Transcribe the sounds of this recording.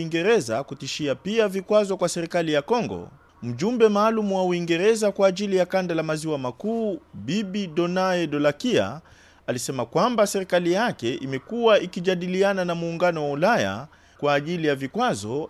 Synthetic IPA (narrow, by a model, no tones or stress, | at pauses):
iŋɡɛɾɛzakutiʃiapiavikwazɔkwasɛɾikalijakɔŋɡɔ̰ | m̩ʄumbɛmaːlumuwauiŋɡɛɾɛzakwaːʄilijakandalamaziwamakuːbibiɗɔnaɛɗɔlakia̰ | alisɛmakwambasɛɾikalijakɛʔimɛkuwaʔikiʄaɗiliananamuːŋɡanɔwaulaja̰ | kwaːʄilijavikwazɔ